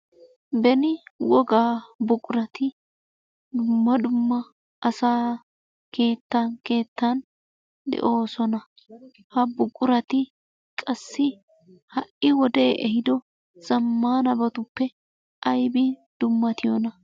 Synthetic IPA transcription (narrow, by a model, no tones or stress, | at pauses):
bɛnɪwɔɡaːbʊkʼʊɾɐt̪ɪ | d̪ʊmːɐd̪ʊmːɐ | ʔɐsaː | ke̞ːt̪ːɐnke̞ːt̪ːɐn | d̪ɛ̰ʔo̞ːsɔnɐ | hɐbʊkʼʊɾɐt̪ɪ | kʼɐsːɪ | hɐʔɪwɔd̪eːʔɛɦɪd̪ɔ | z̥ɐmːaːnɐbɐt̪ʊpːɛ | ʔɐjbɪd̪̥ʊmːɐt̪ɪjɔnɐ